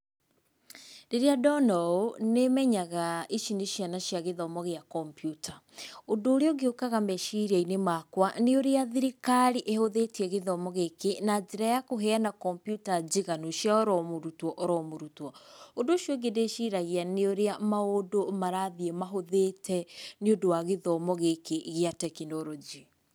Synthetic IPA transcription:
deɾeadɔnɔonemɛɲaɣaiʃineʃianaʃjaɣeðɔmɔɣeakɔmpjutʰaondoːɾeɔɡeokaɣamɛʃiɾainemakwaneoɾeaðiɾikaɾiʔehoðetiɛɣeðɔmɔɣekenad͡ʒeɾajakoɦɛanakɔmpjutad͡ʑiɣanoʃiaɔɾɔmoɾutwɔʔɔɾɔmoɾutwɔondoʃjeɡedeʃiɾaɣianeoɾeamaodomaɾaðiemaɦoðetɛneodowaɣeðɔmɔɣekeɣeatɛkinɔɾɔd͡ʒi

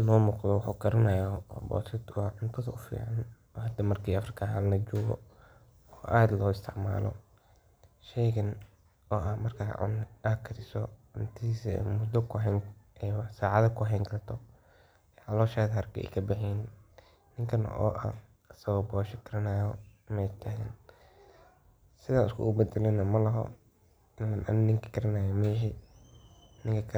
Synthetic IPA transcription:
nɔːmuːqðɔwʊħuɡɐɾɐnajɔɔbɔ̰ːt̪ʰɛd̪ʊɐʕʊnt̪ʰʊðɐʊfḭːʕɑn | ɔːhɐd̪ɐmɐrkʰiːɐfrɪkʰaɦalnɐd͡ʒɔːɣɔ̰ | ɔːʔaːd̪lɔːɪst̪ʰɪʕma̰ːlɔ̰ | ʃɛjɣɐn | ɔːʔɐhmɐrkʰaːʕʊ̰nɐːkʰɐɾɪsɔʕʊnt̪ʰismʊd̪ɔkʰʊɦɛŋɛsaːʕɑðɐkʰʊɦɛːŋkʰɐrt̪ʰɔ | ʕɑlɔːʃaːðɐhɐrkʰɐ̰ɛ̰kʰɐbɐħin | nɪŋkʰɐn̰ʔɔ̰ːʔɐ̰ | ɐsɐwɐbɔːʃɐkʰɐɾɐnaːjɔmɛːt̪ʰaːɣɐn | sɪðaːnɪskʰʊ̰ʔʊbɛd̪ɛlɛnɐmɐlɐɦɔ̰ | ɪnlɐnʔa̰nnɪŋkʰɐkʰɐɾɐnaːjɐmɛːʃi | nɪŋkʰɐkʰ

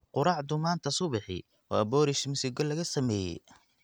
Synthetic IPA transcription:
qʊɾɑːʕd̪ʊmaːnt̪ʰɐsʊβɪħɪ̰j | wɑ̰ːbɔːɾɪʃmɪsɪɡɔlːɐɣɐsɐmɛːjɛ̰j

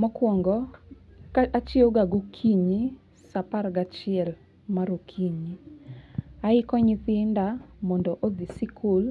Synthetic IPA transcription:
mɔkwɔŋɡɔkat͡ʃioɡaɡokʰiɲi | sapaɾɡat͡ʃɪɛl | maɾokʰiɲi | aɪkɔɲiθɪndamɔndɔʔod̪isikʰul

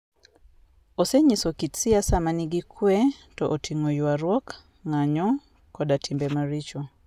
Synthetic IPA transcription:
ɔsɛɲisɔkit͡siasamaniɡikʰwɛtɔʔɔtʰiŋɔjuwaɾwɔk | ŋaɲɔ | kɔɗatimbɛmaɾit͡ʃɔ

